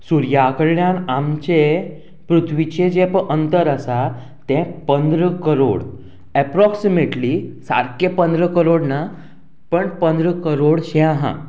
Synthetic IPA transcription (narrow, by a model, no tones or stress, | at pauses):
suɾjakəɾɳjãnamt͡ɕe | pɾut̪ʰʋit͡ɕed͡ʑepəʔənt̪əɾəsa | t̪ɛ̃pənd̪ɾəkəɾo̰ɽ | ɛpɾɔksimeʈlisa̰ɾkepənd̪ɾəkəɾoɽna | pəɳpənd̪ɾəkəɾoɽɕɛ̃ãɦã̰